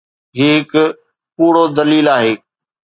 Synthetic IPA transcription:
ɦiːɦɪk | puːɽod̪ɐliːlaːɦeː

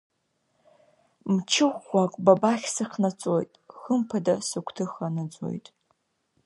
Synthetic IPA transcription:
mt͡ʃʰɪχʷakʷʼbabaχʲsɨqʰnat͡sʼojtʼχəmpʰadasɨkʷʰtʰɨχanɨd͡zʷʼo̞̰jtʼ

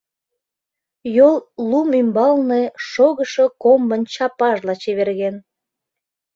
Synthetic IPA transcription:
jollumymbɑlneʃoɣəʃokombənt͡ɕɑpɑʒlɑt͡ɕeβerɣen

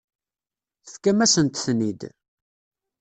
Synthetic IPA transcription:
θθkːæmæsənt̪θnid̪

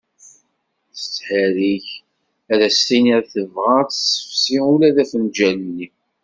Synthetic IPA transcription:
θə̥t͡sːħæɾiç | æðæst̪iniɾθəvʁat̪sə̥fsiulæðæfənd͡ʒælənːi

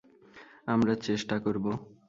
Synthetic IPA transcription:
amɾat͡ɕeʃʈakoɾbo

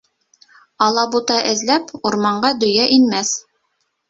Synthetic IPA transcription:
ɑlˠɑbut̪ɑʔɘ̆zlæpuɾmɑɴɢɑd̪ɵ̆jæʔinmæθ

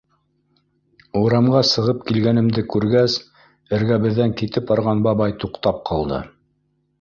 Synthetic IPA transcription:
uɾɑmɢɑsɤ̆ʁɤp̚kilɡænɘ̆md̪ɘkʉɾɡæs | ɘ̆ɾɡæβɘ̆ðːæŋkit̪ɘp̚ɑɾʁɑnbɑβɑjt̪uqt̪ɑp̚qʰɑlˠd̪ɤ̰

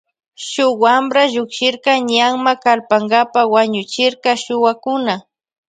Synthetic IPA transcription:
ʃʊwambɾaʎʊkʃɪɾkɑɲaŋmakalpaŋɡapawaɲʊt͡ʃɪɾkɑʃʊwakʊna

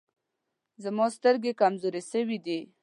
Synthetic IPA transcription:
zamɔst̪əɾɡekamzoɾesəwid̪i

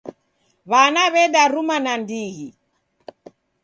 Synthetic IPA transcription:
βanaβɛɗaɾumanandiɣi

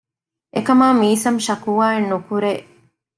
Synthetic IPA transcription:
ʔekɐmaːmiːsɐmʃɐkuʋaːenːukuɾeː

